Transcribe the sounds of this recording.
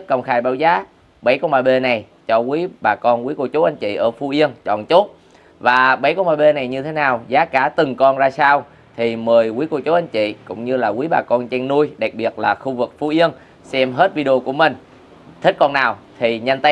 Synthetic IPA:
kə˧˩wŋ͡mxaː˧˩jɓaː˧˦wzaː˨˦ | ɓə˨˦jkɔ˧nɓaː˨˩ɓe˧na˨˩j | t͡ɕɔ˧kwi˨˦ɓaː˨˩kɔ˧nkwi˨˦ku˧˩t͡ɕo˨˦ʔa˧ŋt͡ɕḭ˧˨ʔəː˧˩fu˧˦ʔi˧ənt͡ɕɔ̰˧˨nt͡ɕo˦˥t̚ | vaː˨˩ɓə˨˦jkɔ˧nɓaː˨˩ɓe˧na˨˩jɲɨ˧t̪ʰe˨˦naː˨˩wzaː˨˦kaː˧˩t̪ɨ˨˩ŋkɔ˧nzaː˧saː˧w | t̪ʰi˨˩məː˨˩jkwi˨˦ku˧˩t͡ɕo˨˦ʔa˧ŋ̟t͡ɕḭ˧˨kʊ̰˧˥ŋ͡mɲɨ˧laː˨˩kwi˨˦ɓaː˨˩kɔ˧nt͡ɕɛ˧ŋnu˧əjɗa˨˩k̚ɓi˨˩ət̚laː˨˩xu˧vɨ˨˩k̚fu˧˦ʔi˧ən | sɛ˧mɦe˦˥t̚vi˧ɗə˧o˧ku˧˩əmï˨˩ŋ̟ | t̪ʰi˦˥k̟̚kɔ˧nːaː˨˩wt̪ʰi˨˩ɲa˧nt̪ə˨˦

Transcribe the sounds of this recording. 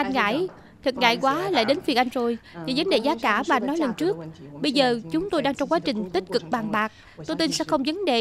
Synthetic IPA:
ʔa˧jŋ̟ŋa̰ː˧˥˨j | t̪ʰɨ˨˩t̚ŋa̰ː˧˨jkwaː˨˦la̰ː˧˨jɗe˨˦nt̪fi˨˩ək̚ʔa˧jŋ̟zo˨˩jɲa˨˩zə˨˦nɗe˨˩zaː˨˦kaː˧˩vaː˨ʔnːɔ˨˦jlə˨˩nt͡ɕɨ˦˥ək̚ɓə˧jzəː˨˩t͡ɕʊ˨˦ŋ͡mt̪o˧jɗaː˧ŋt͡ɕɔ˧wŋ͡mkwaː˨˦˥t͡ɕï˨˩ŋ̟t̪i˦˥k̟̚kɨ˨˩k̚ɓaː˨˩ŋɓaː˨˩k̚ | t̪o˧jt̪i˧nsɛ̰˧˥xə˧wŋ͡mzə˨˦nɗe˨˩

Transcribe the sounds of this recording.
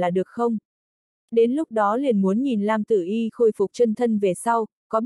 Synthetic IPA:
aː˨˩ɗɨ˨˩ək̚xə˧wŋ͡m | ɗe˨˦nlʊ˦˥k͡p̚ɗɔ˨˦li˨˩ənmu˨˦ənɲi˨˩nlaː˧mt̪ɨ˧˩ʔi˧xo˧jfʊ˨˩k͡p̚t͡ɕə˧nt̪ʰə˧nve˨˩sa˧w | kɔ˨˦ɓ

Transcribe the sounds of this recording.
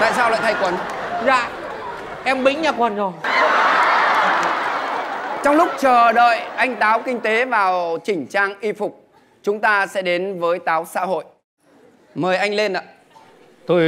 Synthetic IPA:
t̪a̰ː˧˨jsaː˧wla̰ː˧˨t̪a˧jkwə˨˦nza̰ː˧˨ | ʔɛ˧mɓï˨˦ŋ̟ɲaː˨˩kwə˨˩nzo˨˩j | t͡ɕɔ˧wŋ͡mlʊ˦˥k͡p̚t͡ɕəː˨˩ɗə̰ː˧˨jʔa˧jŋ̟t̪aː˨˦wkï˧ŋ̟t̪e˨˦vaː˨˩wt͡ɕï˧˩ŋ̟t͡ɕaː˧ŋʔi˧fʊ˨˩k͡p̚ | t͡ɕʊ˨˦ŋ͡mt̪aː˧sɛ̰˧˥ɗe˨˦nvəː˨˦jt̪aː˨˦wsa̰ː˧˥ɦo̰˧˨j | məː˨˩jʔa˧jŋ̟le˧nʔa̰ː˧˨ | t̪o˧j

